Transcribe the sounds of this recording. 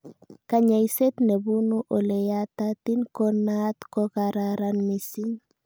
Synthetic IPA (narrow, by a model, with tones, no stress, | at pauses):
ka˨ɲa˨jse˦t̪ne˨bu˦nu˦ʔo˨le˨jata˦t̪i˦nkɔ˦na˦t̪kɔ˦kaɾaɾanmi˨si˦ɲ